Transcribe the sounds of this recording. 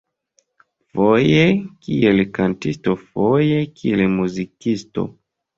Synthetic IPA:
fojekielkantisto̞fojekʰielmuzikisto̞̰

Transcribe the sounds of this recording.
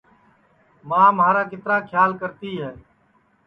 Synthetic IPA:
mãːmaːɾaːkɪt̪ɾaːkʰjaːlkəɾt̪iːɦɛː

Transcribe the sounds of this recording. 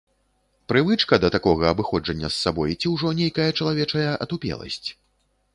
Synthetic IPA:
pɾɨvɨt͡ʂkɐd̪ɐt̪akɔɣɐɐbɨxɔd͡ʐɐnʲːɐsːabɔjt͡sʲiwʐɔnʲejkɐjɐt͡ʂɐlˠavʲɛt͡ʂɐjɐʔɐt̪upʲɛ̰lˠɐ̰sʲt͡sʲ

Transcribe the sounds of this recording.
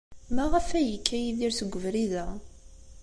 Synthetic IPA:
mæʁəfæjəkʰːæjiðiɾsəɡʷːəvɾiðæ

